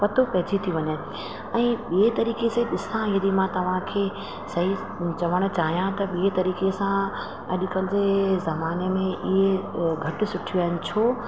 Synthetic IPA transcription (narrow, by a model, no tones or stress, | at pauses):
pɐt̪opɐɦd͡ʑit̪ʰiʋɐɲe | ɛ̃ːɓiɦet̪ɐɾiːkesɐɦiɗɪsãjɐd̪imãt̪ɐʋ̤ãkʰeː | sɐɦi | t͡ʃɐʋəɽ̃̆t͡ɕaːɦijãt̪ɐɓiɦet̪ɐɾiːkesã | ɐ̰ʄʊkɐlɪsezɐmaːnemẽʔɪɦeɡʱɐʈ̆sʊʈʰaɪn̆t͡ɕʰoː